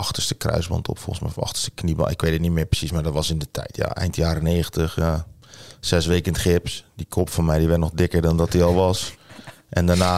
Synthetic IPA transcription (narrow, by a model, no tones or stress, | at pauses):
ɑxtəstə̥krœ̰ɥsbɑ̰ntʰɔ̰pfo̰lˠənsmɛ̰jfɑ̰xtə̥stə̥knibɔ̰nɪ̰kʋetətnimɪːprə̥sismardɔtʋɑsɪndətʰɛ̰jtja̰ʔɛ̰jntjaːɾəneːɣəntəxja | sɛsʋeːkəntχɪpsdikʰopfɔnmɛjdiʋɛrtnɔxdɪkədɔndɔt̚diɔlˠʋɑs | ʔɛndanaː